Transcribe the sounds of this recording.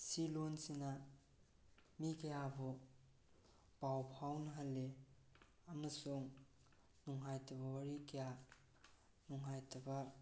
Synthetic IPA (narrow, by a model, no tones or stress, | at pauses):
silonsina | mikɐjabo | pawpʰawnɐɦalːe | ɐmɐsuŋ | nuŋɦajtʰɐbɐwɐɾikɐja | nuŋɦajtʰɐba